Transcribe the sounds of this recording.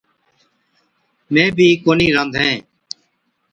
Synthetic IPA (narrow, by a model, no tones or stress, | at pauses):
mẽːbʱiːkoːniːɾənd̪ʱɦɛ̃ː